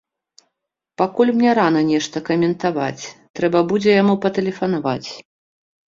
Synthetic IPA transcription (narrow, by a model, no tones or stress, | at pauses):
pakulʲmnʲɛɾanɐnʲɛʂt̪ɐkɐmʲɛnt̪ava̰t͡sʲt̪ɾɛbɐbud͡zʲɛjamupɐt̪ɛlʲɛfɐnavat͡sʲ